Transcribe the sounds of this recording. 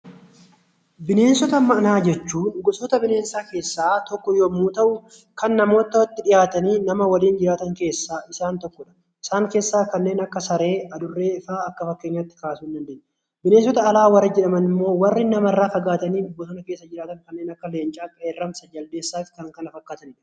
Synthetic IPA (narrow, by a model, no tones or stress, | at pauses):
bɪne̞ːnsɔt̪ɐmɐʔɐnaːd͡ʒɛt͡ʃːuːnʊɡʊsɔt̪ɐbɪne̞ːnsaːke̞ːsːaːt̪ɔkːɔjoːmuːt̪ɐʔʊ | kɐnːɐmo̞ːt̪ːɐwɐt̪ːɪᶑɪjaːt̪ɐniːnɐmɐwɐliːnd͡ʒɪɾaːt̪ɐŋke̞ːsːaːʔɪsaːnt̪ɔkːɔᶑɐ̥ | ʔɪsaːŋke̞ːsːaːkɐnːe̞ːnɐkːɐsɐɾe̞ːɐd̪ʊrːeːɪfaːɐkːɐfɐkːeːɲːɐt̪ːɪ̥kaːsuːɪnd̪ɐnd̪eːɲːɛ | bɪneːns̬ɔt̪ɐːlaːwɐɾɐd͡ʒɛᶑɐmɐnɪmːo̞ːwɐrːɪnɐmɐrːaːfɐɡaːt̪ɐniːnʊbːɔsɔnɐke̞ːsːɐd͡ʒɪɾaːt̪ɐŋkɐnːeːnɐkːɐle̞ːnt͡ʃʼaːkʼɐeːrːɐmsɐd͡ʒɐld̪eːsːaːfkɐŋkɐnɐfɐkːaːt̪ɐnᶑɐ̥